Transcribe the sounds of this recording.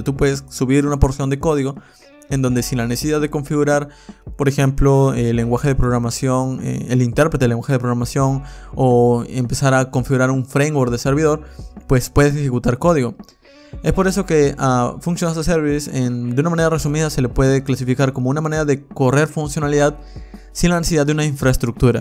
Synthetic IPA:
t̪upwe̞ðessuβiɾunapo̞ɾsjo̞nd̪eko̞ðiɣo̞ | end̪o̞nd̪e̞sinlanesesiðaððe̞ko̞ɱfiɣuɾaɾpo̞ɾexe̞mploelːe̞ŋɡwaxe̞ðepɾo̞ɣɾamasjo̞nḛelint̪e̞ɾpɾet̪elːeŋɡwaxe̞ðepɾo̞ɣɾamasjo̞noempe̞saɾako̞ɱfiɣuɾaɾuɱfɾejnwoɾd̪ese̞ɾβiðo̞ɾpwe̞spwe̞ðes̬exekut̪aɾko̞ðiɣo | e̞spo̞ɾe̞so̞ke̞afunsjonasaseɾβisend̪unamãne̞ɾare̞sumiðase̞le̞pwe̞ðeklasifikaɾkomounamãneɾaðe̞ko̞re̞ɾfunsjo̞naliðað | sinlanesesiðad̪eunaiɱfɾaest̪ɾuk̚t̪uɾa

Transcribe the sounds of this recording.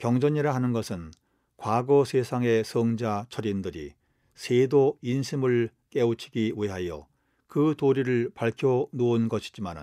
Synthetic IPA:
kjʌŋd͡ʑʌɲiɾaɦanɯnɡʌsʰɯn | kwaɡʌsʰesʰaŋe̞sʰʌŋd͡ʑat͡ɕʰʌɾindɯɾḭ | sʰedoinɕʰimɯɭ | k͈eut͡ɕʰi̥ɡiwiɦajʌ̰ | kɯtoɾiɾɯɭpaɭkʰjonounɡʌɕʰi̥d͡ʑimanɯ̰n

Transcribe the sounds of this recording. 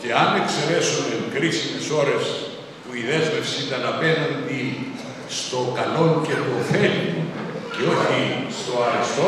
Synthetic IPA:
ce̞ɐne̞kse̞ɾe̞sunekɾisime̞so̞ɾe̞s | puiðe̞zme̞fsiit̪ɐnɐpe̞nɐnd̪i | st̪o̞kɐlo̞ɲce̞ɾɣo̞feliceo̞çist̪o̞ɐɾest̪o

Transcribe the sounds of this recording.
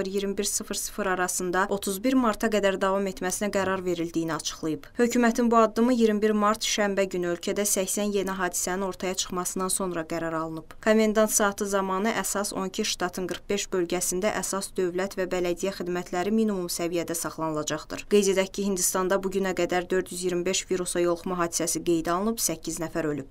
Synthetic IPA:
ɯɾjiɾmibiɾsɯfɾsɯfɾɑɾɑsɯnd̪ɑʔo̞t̪ʰuzbiɾmɑɾt̪ʰɑɡæd̪æɾd̪ɑvɑme̞t̪mæsinæɡæɾɑɾve̞ɾild̪ijiniɑt͡ʃʰɯ̥χlˠɯjɯbhø̞cʰymæt̪ʰinbuɑd̪ːɯmɯjiɾmibiɾmɑɾt̪ʰʃæmbæɟynyø̞lcʰæd̪æsæçsænje̞niɦɑːd̪i̥sænino̞ɾt̪ʰɑjɑt͡ʃʰɯ̥χmɑsɯnd̪ɑnso̞nɾɑɡæɾɑɾɑlˠɯnɯb̥kʰome̞nd̪ɑnt̪sɑːt̪ʰɯzɑmɑːnɯʔæsɑso̞̰ncʰiʃt̪ɑt̪ʰɯnɡɯɾχbe̞ʃbø̞lɟæsind̪æʔæsɑsd̪ø̞vlæt̪væbælæd̪ijæxid̪mæt̪ʰlæɾiminimumsævijæd̪æsɑχlˠɑnɯlˠɑd͡ʒɑχd̪ɯ̰ɾɡ̥ejzed̪æcʰːihind̪ist̪ɑnd̪ɑbuɟynæɡæd̪æɾd̪ø̞ɾd̪jyzjiɾmibe̞ʃviɾusɑjo̞lˠxumɑɦɑːd̪i̥sæsiɡe̞jd̪ɑlˠɯnɯbsæcʰːiznæfæɾølyb̥

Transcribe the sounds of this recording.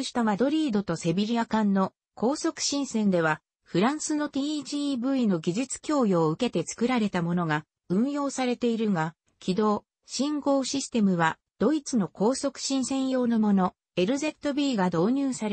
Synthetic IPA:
ɕi̥t̪omad̪o̞ɾʲiːd̪o̞t̪o̞se̞bʲiɾʲiakãnːo̞ | ko̞ːso̞kɯ̟̥ɕĩɰ̃sẽ̞nd̪e̞βa | ɸɯ̟ɾãɰ̃sɨno̞t̪ʲiːʑiːbɯ̟ino̞ɡʲiʑit͡sɨ̥kʲo̞ːjo̞ːɯ̟ke̞t̪e̞t͡sɨ̥kɯ̟ɾaɾe̞t̪amo̞no̞ɡa | ɯ̟̃ɰ̃jo̞ːsaɾe̞t̪e̞iɾɯ̟ŋa | kʲʰid̪o̞ː | ɕĩŋɡo̞ːɕisɨ̥t̪e̞mɯ̟βa | d̪̥o̞it͡sɨno̞ko̞ːso̞kɯ̟̥ɕĩɰ̃sẽ̞ɰ̃jo̞ːno̞mo̞no̞ | e̞ɾɯ̟ze̞t̪ːo̞bʲiːɡad̪o̞ːɲ̟ɨːsaɾe

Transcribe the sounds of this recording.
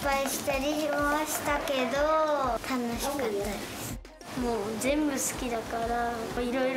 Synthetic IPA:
paiɕi̥t̪aɾʲiaɕi̥t̪ake̞d̪ot̪ʰanoɕi̥kat̪ːad̪essɨ̥ | moːzẽ̞mbɯ̟sɨ̥kʲid̪akaɾaoiɾo̞iɾ

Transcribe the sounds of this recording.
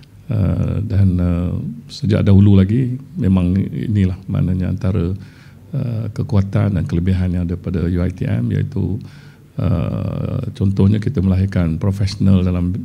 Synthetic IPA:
ə̰danəsəd͡ʒa̰ʔdaɦululaɡimẽmãŋḭnilahma̰nəɲaa̰nt̪aɾə | əkəkuat̪a̰ndankələbiɦanjãŋadəpadəjuajt̪ḭʔɛ̰mja̰ḭt̪u | ə̰ | t͡ʃɔnt̪ɔhɲakit̪əməlaɦikanpɾofɛsonəldalam

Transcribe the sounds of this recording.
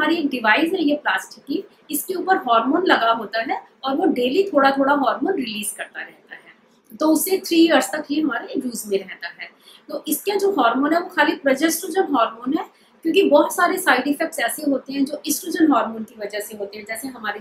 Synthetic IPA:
aːɾieːk̚ɖɪʋaːɪzɦɛjeplaːsʈɪkːi | ɪskeuːpəɾɦɔːɾmoːnlɐɡaɦoːt̪aɦɛ | ɔːɾʋoɖeːlit̪ʰoːɽat̪ʰoːɽaɦɔːɾmoːnɾɪliːzkɐɾt̪aɾɛɦt̪aɦɛː | t̪oːʊset̪ʰɾiːɐɾst̪ɐkɦiɦɐmaːɾeeːjuːzmẽɾɛɦt̪aɦɛː | t̪oːʔɪskad͡ʒoːɦɔːɾmoːnɦɛʋoxaːlipɾɐd͡ʒɛsʈuːd͡ʒənɦɔːɾmoːnɦɛː | kjõːkibɔːt̪saːɾesaːɪɖɪfɛk̚ʈsɛːseɦoːt̪eɦɛ̃d͡ʒoːʔɪsʈuːd͡ʒənɦɔːɾmoːnkiʋɐd͡ʒaseɦoːt̪eɦɛ̃d͡ʒɛːseɦɐmaːɾe

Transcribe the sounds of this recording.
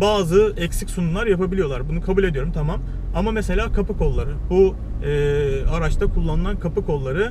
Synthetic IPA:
baːzɯɛcsicʲsununlˠaɾjapabilʲijo̞lˠaɾbunukʰabulʲed̪ijo̞ɾumt̪ʰamam | amamese̞lʲaːkʰapɯko̞lˠːaɾɯbu | ɛːaɾat͡ʃt̪ʰakʰulˠːanɯlˠankʰapɯkʰo̞lˠːaɾɯ

